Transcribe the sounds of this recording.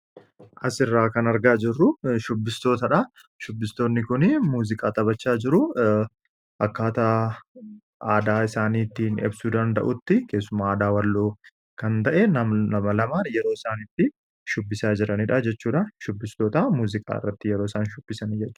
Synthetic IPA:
ʔɐsɪrːaːkɐnɐɾɡaːd͡ʒɪrːʊʃʊbːɪst̪o̞ːt̪ɐᶑɐ | ʃʊbːɪst̪o̞ːnːɪkʊnɪmuːzɪkʼaːt̪ʼɐbɐt͡ʃːaːd͡ʒɪɾʊ | ʔɐkːaːt̪ɐ | aːd̪aːɪsaːniːt̪ːiːnɪ̰bsuːd̪ɐnd̪ɐ̰ʔʊt̪ːɪke̞ːsːʊmaːd̪aːwɐlːoː | kɐnt̪ɐʔɛnɐnɐmɐlɐmaːjɛɾo̞ːɪsaːnit̪ːɪ | ʃʊbːɪsaːd͡ʒɪɾɐniᶑɐd͡ʒɛt͡ʃːuːᶑɐʃʊbːɪst̪o̞ːt̪ɐmuːzɪkʼa̰ːɪ̰rːɐt̪ːɪjɛɾo̞ːɪsaːnʃʊbːɪsɐnid͡ʒɛt͡ʃː

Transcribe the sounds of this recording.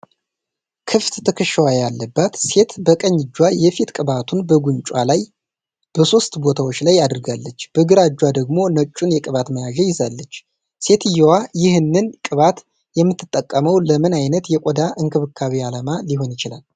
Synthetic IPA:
kʰɨft̪ʰɨkʰɨʃwajalːəbːat̪se̞t̪bəkʼəɲːɨd͡ʒːwajɛfit̪kʼɨβat̪ʰunbəɡuɲt͡ʃʼwalaj | b̥əso̞st̪bo̞t̪ʰawo̞t͡ʃːlajad̪ɨɾɡalːət͡ʃːb̥əɡɨɾad͡ʒːwad̪əɡmo̞nət͡ʃʼːunjɛkʼɨβat̪məjaʒɛjɪzalːət͡ʃː | se̞t̪ʰɨjːɛwajɪhɨnːɨnkʼɨβat̪ | jɛmːɨt̪ʰːɨt̪ʼːəkʼːəməwləmɨnajnət̪jɛkʼɔd̪aʔɨŋkʰɨβɨkʰːaβialamaliɦo̞njɪt͡ʃɪla̰l

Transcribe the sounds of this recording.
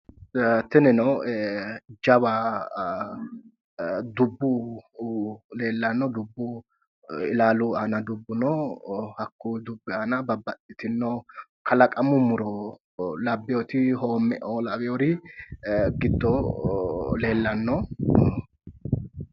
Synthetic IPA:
t̪ɪnɛnɔw | d͡ʒɐba | d̪ʊbːu | le̞ːlːɐnːɔd̪ʊbːʊ | ɪ̰laːlʊanɐd̪ʊbːʊnɔhɐkːud̪ʊbːɪaːnɐbɐbːɐtːɪt̪ɪnːɔkʰɐlɐkʼɐmʊmʊɾɔ | lɐbːɪjɔt̪ɪhoːmːɛ̰ʔoːlɐwɛjoɾɪ | ɡɪd̪ːɔ | le̞ːlːɐnːɔ

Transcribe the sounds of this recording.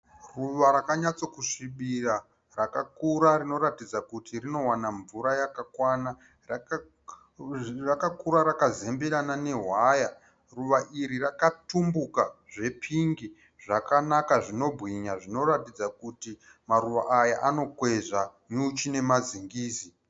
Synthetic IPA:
ruʋaɾakaɲat͡so̞kuʂiɓira | rakakuɾaɾino̞ɾatid͡zakutirino̞wanaɱvuɾajakakwana | rakakuɾaɾakazembeɾanane̞ɦwaja | ruʋaʔiɾirakatumbukaʐe̞pʰiŋɡi | ʐakanakaʐino̞bʱɣiɲaʐino̞ratid͡zakuti | maɾuʋaʔajaʔano̞kwe̞ʐaɲut͡ʃine̞maziŋɡiːsi

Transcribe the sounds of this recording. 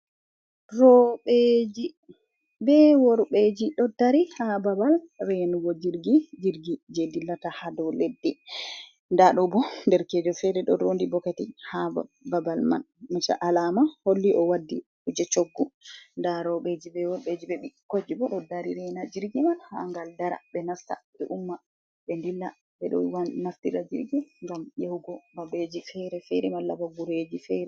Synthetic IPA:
ɾɔɓed͡ʒi | bɛwɔɾɓed͡ʒiɗɔdaɾihababal | rɛnuwod͡ʒiɾɡid͡ʒiɾɡid͡ʒedilːatahadɔledːɛ | ndaɗɔbɔndɛɾkɛd͡ʒɔfɛɾɛɗɔ̰ɾondibɔkatihabbabalma̰n | mut͡ʃa̰ʔalamaholːiʔɔwadːi | ud͡ʒɛt͡ʃoɡːundaɾɔɓed͡ʒibɛwɔbed͡ʒibɛɓikod͡ʒːibɔɗɔdaɾiɾɛnad͡ʒiɾɡimanha̰ŋɡaldaɾa̰bɛnasta̰ɓɛʔumːa | ɓɛndilːa | ɓɛɗɔ̰wanaftiɾad͡ʒḭɾɡiŋɡamjehuɡɔbabed͡ʒifɛɾɛfɛɾɛmalːabaɡuɾed͡ʒifɛɾɛ

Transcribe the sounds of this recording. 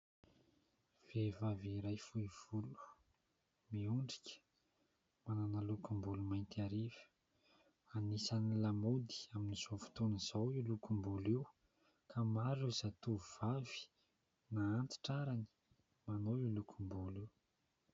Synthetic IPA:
v̥evaviɾajfuiv̥ulu̥ | miuɳɖ͡ʐikʲə̥ | mananalukumbulumajnt̪aɾivə̥ | anisanilamud̪i̥aminiz̥ovu̥t̪uniz̥awilukumbulew | kʰamaɾizat̪uuv̥avi̥ | naːnt̪i̥ʈ͡ʂaɾani̥ | manoilukʰumbulew

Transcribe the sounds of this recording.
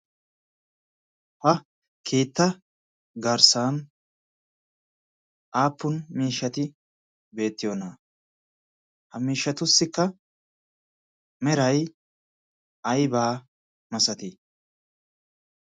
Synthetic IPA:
hɐ | kʰeːt̪ːɐ | ɡɐɾsaːn | ʔaːpːʊnmiːʃːɐt̪ɪ | be̞ːt̪ːɪjona | hɐmiːʃːɐt̪ʊsːɪkːɐ | mɛɾɐj | ɐjbaː | mɐsɐt̪ɪ

